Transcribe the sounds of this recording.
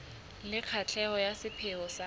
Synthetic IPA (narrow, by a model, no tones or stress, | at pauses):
lɪq͡χʰat͡ɬʰɛɔjasɪpʰeɔsa